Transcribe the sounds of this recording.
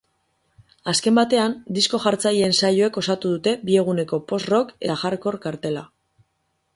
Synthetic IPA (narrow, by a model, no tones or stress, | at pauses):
aske̞mbat̪e̞and̪isko̞ʝaɾt͡sajensajoe̞ko̞sat̪uðut̪e̞bie̞ɣ̞une̞ko̞po̞sro̞ke̞t̪axaɾko̞ɾkaɾt̪e̞la